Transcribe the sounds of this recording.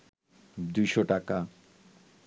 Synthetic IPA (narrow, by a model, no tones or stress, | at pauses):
d̪ujʃoʈaka